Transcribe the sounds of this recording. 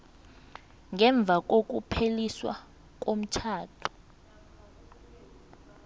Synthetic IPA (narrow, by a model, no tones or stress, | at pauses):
ŋɛɱb̪vʱak̬ok̬upʰeliswa̰ | k̬ʼom̩t͡ʃʰaːtʰu̥